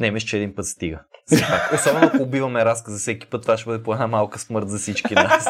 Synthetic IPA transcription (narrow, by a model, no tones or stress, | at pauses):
nɛmɛʃt͡ʃɛːd̪inpɤt̪st̪iɡəzɛpakɛsamoɐkoːbivɐmɛɾaskəzɐfsɛki̥pɤt̪ːovaʃɛbɤd̪ɛpoɛd̪namalˠkəsmɤɾt̪zɐsit͡ʃk̟inas